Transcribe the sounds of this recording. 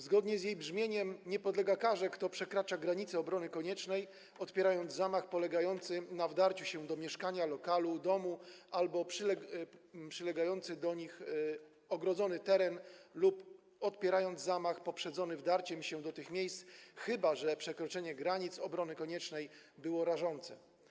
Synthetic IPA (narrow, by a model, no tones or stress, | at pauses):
zɡɔd̪ɲɛzʲjejbʐmʲjeɲɛmɲɛpɔd̪lɛɡakaʐɛkt̪ɔpʂɛkɾat͡ʂaɡɾaɲit̪sɛɔbɾɔnɘkɔɲɛt͡ʂnɛj | ɔt̪pʲjɛɾajɔnd̪zzamaxpɔlɛɡajɔnt̪sɘnavd̪aɾt͡ɕuɕɛ̃d̪ɔmʲjɛʂkaɲalɔkalud̪ɔmuʔalbɔpʂ | pʂɘlɛɡajɔnt̪sɘd̪ɔɲix | ɔɡɾɔd̪zɔnɘt̪ɛɾɛnlup | ɔt̪pʲjɛɾajɔnd̪zzamaxpɔpʂɛd̪zɔnɘvd̪aɾt͡ɕɛmɕɛ̃d̪ɔt̪ɘxmʲjejst̪sxɘbaʐɛpʂɛkɾɔt͡ʂɛɲɛɡɾaɲit̪sɔbɾɔnɘkɔɲɛt͡ʂnɛjbɘwɔɾaʐɔnt̪sɛ